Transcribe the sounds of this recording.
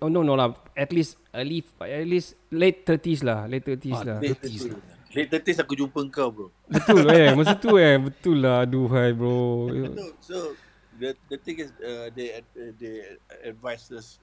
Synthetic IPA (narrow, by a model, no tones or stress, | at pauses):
ononolaɛt̪lis | əlifɛtlis | let̪ːət̪is̬lahlet̪t̪ːət̪islat̪is | let̪ət̪isakud͡ʒumpəŋkabo | bət̪uljɛmas̬ut̪uɛbət̪ulːaduɦajbɹo̰ | so | dədət̪ĩŋɪsədɛdɛɛdvajsəs